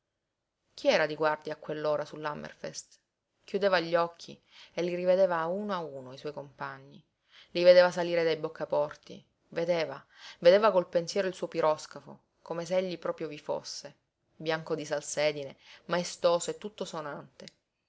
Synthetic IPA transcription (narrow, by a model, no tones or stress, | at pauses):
k̟ʰiɛːɾad̪iɡward̪jaːkːwelːoːɾasulːamḛrfḛst̪ | kjud̪eːvaʎːɔkʰːḭ | elːiɾived̪eːvaːuːnoauːnoaiswɔjkompaɲːi | lived̪eːvasaliːɾed̪ajbokːapɔrt̪ḭ | ved̪eːva | ved̪eːvakolpensjɛːɾoilsuːopiɾɔskafo̰ | komes̬eeʎːipɾɔːpɾjovifo̰sːe | bjaŋkod̪isalsɛːd̪inemaest̪oːsoet̪ːut̪ːosonant̪e